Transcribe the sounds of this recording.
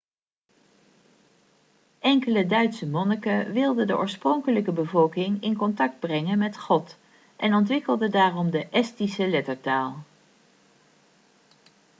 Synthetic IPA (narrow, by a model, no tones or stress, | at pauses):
ʔɛŋkələdœɥtsəmɔnəkaʋɪlˠdədəʔɔ̰ːɹsprɔŋkələkəbəvɔlˠkɪŋɪnkɔntɑk̚d̚brɛŋənmɛtχɔt | ʔɛnɔntʋɪkəlˠdədaːrɔmdəʔɛstisəlɛtəɹtaːlˠ